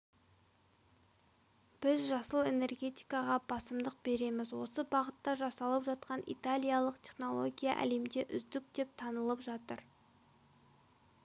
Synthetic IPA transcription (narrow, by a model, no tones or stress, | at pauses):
b̥ɪzʒɑsəlˠe̞ne̞rɡʲe̞t̪ʲi̥jkɑʁɑb̥ɑsəmd̪əq̚be̞ɾe̞mɪzwo̞səbɑʁət̪ːɑʒɑsɑlˠəpʒɑt̪̚qɑnʔḭt̪alʲijalˠəqt̪ʲʰe̞χno̞lˠo̞̰ɡʲija̰ʔæ̰le̞md̪e̞ʔʏzd̪ɪk̚d̪e̞p̚t̪ʰɑnəlˠəpʒɑt̪əɾ